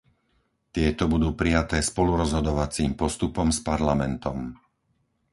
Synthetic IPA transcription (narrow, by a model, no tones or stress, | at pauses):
t̪ɪɛt̪ɔbud̪uːpɾijat̪ɛːspɔluɾɔzɦɔd̪ɔʋat͡siːmpɔst̪upɔmspaɾlamɛnt̪ɔm